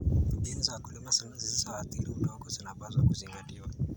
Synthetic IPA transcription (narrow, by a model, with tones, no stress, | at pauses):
ɛ˦nza˨ku˨li˦ma˦sa˨na˦zi˨zizawa˨t̪iɾiu˨dɔ˦kɔzina˨pa˦zwaku˨ziŋɡa˨tiwa